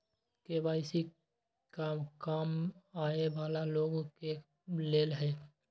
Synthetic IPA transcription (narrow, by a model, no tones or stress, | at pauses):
kebaːɪsi | kakaːmaːebaːlaloːɡke | leːlɦɛː